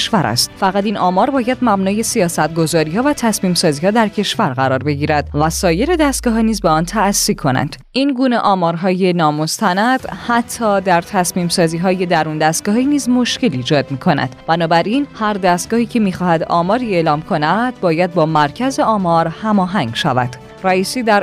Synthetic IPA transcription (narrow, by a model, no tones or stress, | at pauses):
ʃvæɾʔæ̰st̪fæɣæt̪iːnɒːmɒːɾbɒːjæd̪mæbnɔːje̞sijɒːsæt̪̚ɡo̞zɒːɾiːhɒːvæt̪ʰæsmiːmsɒːziːhɒːd̪æɾcʰe̞ʃvæɾɣæɾɒːɾbe̞ɟiːɾæd̪̥̚væsɒːje̞ɾe̞d̪æst̪̚ɡɒːɦiniːzbe̞ɒːnt̪ʰæːsːikʰo̞næ̰nd̪̥ | inɡuːne̞ʔɒːmɒːɾɦɒːje̞nɒːmo̞st̪ænæd̪̥hæt̪ʰːɒːd̪æɾt̪ʰæsmiːmsɒːziːɦɒːje̞d̪æɾund̪æst̪̚ɡɒːɦiniːzmo̞ʃce̞liːd͡ʒɒːd̪miːkʰo̞næ̰d̪̥b̥ænɒːbæɾinhæɾd̪æst̪̚ɡ̥ɒːhiːcʰe̞miːxɒːhæd̪ɒ̰ːmɒːɾie̞lɒːmkʰo̞næd̪̥̚bɒːjæd̪̚bɒːmæɾcʰæze̞ɒːmɒɾhæmɒːɦæŋɟʃæ̰væ̰d̪̥ | ræiːsiːd̪æɾ